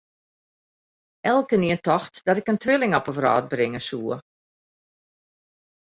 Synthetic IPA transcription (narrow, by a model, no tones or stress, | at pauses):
ɛlˠkəniəntɔxtd̥ɔtɪkəntʰʋɪlˠɪŋɔpəfrɑ̰ːt̚brɪŋəsuːə